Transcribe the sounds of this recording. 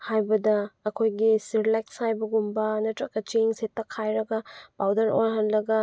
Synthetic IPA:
hajbɐdɐːkʰojɡisiɾlajkshajbɐɡumbɐnɐtɾɐkːɐt͡ʃeŋsetːɐkʰajɾɐɡɐpawdɐɾojɦɐnlɐɡɐ

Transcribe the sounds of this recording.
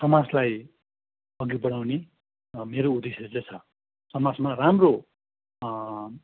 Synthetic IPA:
sʌmad͡zlaj | ʌɡibʌɽ̃awne | meɾoud̪eselet͡sʰʌ | sʌmad͡zmaramro

